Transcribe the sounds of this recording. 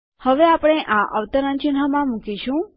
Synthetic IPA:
həʋeapɽ̃eʔaʔə̰ʋt̪əɾənt͡ʃɪnɦəmãmũkiʃũ

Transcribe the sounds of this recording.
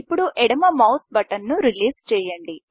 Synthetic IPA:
pːuɽuʔɛɽɐmɐmɐwsbɐʈɐnːuɾiliːst͡ʃɛːjɐɳɖi

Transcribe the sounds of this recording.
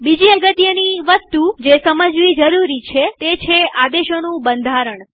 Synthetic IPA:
bid͡ʒiəɡət̪jəniʋəst̪ud͡ʒesəməd͡ʒʋid͡ʒəɾuɾit͡ʃʰet̪et͡ʃʰead̪eʃonũbənd̪ʱaɾəɳ

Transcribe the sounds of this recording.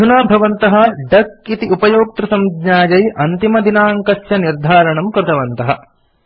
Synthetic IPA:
unaːbʱɐʋɐnt̪ɐɦɐɖɐkit̪iupɐjoːk̚t̪ɾusɐmɡɲaːd͡ʒɐjʔɐnt̪imɐd̪inaːŋkɐsjɐniɾd̪ʱaːɾɐɳɐmkɾɪt̪ɐʋɐnt̪ɐɦɐ̰

